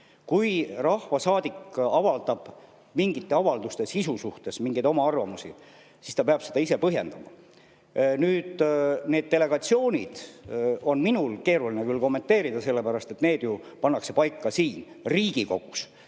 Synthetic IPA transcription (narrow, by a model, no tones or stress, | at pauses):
kujrɑhvɑsɑːd̪̥ikːɑvɑld̪ɑb̥ | miŋɡ̥it̪ːe̞ɑvɑld̪ust̪e̞sisusuht̪e̞smiŋɡ̥ejd̪o̞mɑɑrvɑmusḭ | sist̪ɑpeɑb̥se̞d̪ɑise̞pɤɦje̞̰nd̪̥ɑmɑ̰ | nyːd̪̥neːd̪̚t̪e̞le̞ɡ̥ɑt̪sio̞ːnʲḭd̪̥o̞nminulke̞ːɾulinekylko̞mːent̪ːe̞ːɾid̪ɑse̞lːe̞pæɾɑst̪e̞t̪ne̞ːd̪̥jupɑnːɑkse̞pɑjkːɑsiːn | riːɡ̥iko̞̰ɡ̥us